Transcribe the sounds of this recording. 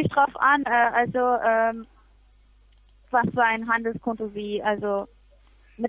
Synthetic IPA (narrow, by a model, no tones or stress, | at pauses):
ɪçd̥ʁaʊfʔanʔɛːʔalzoʔɛːm | vasfyːɐaɪnɦandl̩skʰɔntoviːʔalzo | mɪ